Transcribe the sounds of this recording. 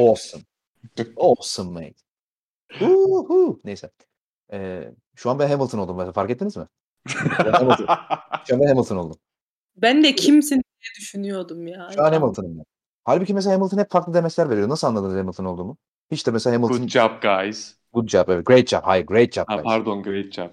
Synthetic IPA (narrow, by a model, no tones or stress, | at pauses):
osun | osunmḛjt̪ | uhunejsɛ | ɛ̰ː | ʃuanbænɦemilˠt̪ʰɯnolˠd̪umɛsafaɾkɛt̪ːinizmɪ | emilˠʰʃamd̪ɛɦemilˠt̪ʰɯnolˠd̪um | bænd̪ɛcʰimsinijɛd̪yʃynyjo̞ɾd̪umjaːʃuanhemilˠt̪ʰɯnɯmja | halʲbicʰimes̬elahemilˠt̪ʰɯnhɛpfaɾklˠɯd̪e̞mɛslʲæɾve̞ɾijonasɯlˠanlˠad̪ɯnzhemilt̪ʰɯno̞ld̪uːmʊ | hit͡ʃt̪ɛmɛselʲahemilˠnd͡ʒapɡajz̥ | ɡ̥ut̪̚d͡ʒapevɛt̪̚ɡɾejt̪̚d͡ʒa̰pha̰jɯɾɡɾejt̪̚d͡ʒapa̰jʰaɾd̪onɡɾejt̪̚d͡ʒa̰p̚